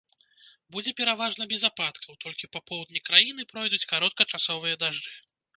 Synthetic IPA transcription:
bud͡zʲɛpʲɛɾavaʐnɐbʲɛzapat̪kʰɐwt̪ɔlʲkʲipapɔwd̪̚nʲɛkɾajinɨpɾɔjd̪ut͡sʲkaɾɔt̪̚kɐt͡ʂasɔvɨjɐd̪aʐd͡ʐɨ

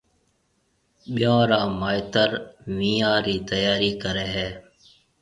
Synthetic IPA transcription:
ɓɪjãːɾaːmaːjt̪əɾʋiːãːɾiːt̪əjaːɾiːkəɾeːɦɛː

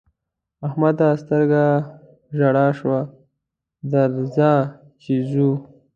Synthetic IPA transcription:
ahmad̪ast̪əɾɡa | ʒaɽaʃwa | d̪aɾzɑ | t͡ʃizu

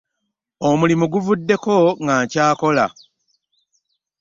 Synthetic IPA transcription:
o̞mulimuɡuvudːe̞ko̞ŋɡaɲcaːko̞la̰

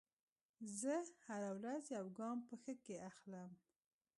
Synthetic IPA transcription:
zəhaɾawɾazjawɡɑmpəxəkeaxləm

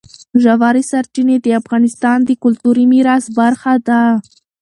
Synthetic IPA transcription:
ʒawaɾisaɾt͡ʃined̪əafɣɑnɪst̪ɑnd̪əkʊlt̪uɾimiɾɑsbaɾxad̪a

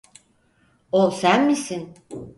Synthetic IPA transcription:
olˠsænmisin

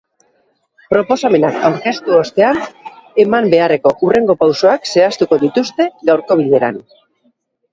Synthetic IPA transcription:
pɾo̞po̞same̞nakawɾke̞st̪uost̪e̞ane̞mambe̞are̞ko̞ʔure̞ŋɡo̞pawso̞akse̞ast̪uko̞ðit̪ust̪e̞ɣawɾko̞β̞iʎe̞ɾa̰n

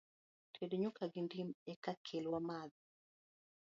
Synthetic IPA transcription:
tʰedoɲukaɡɪndimɛkakʰelwamað

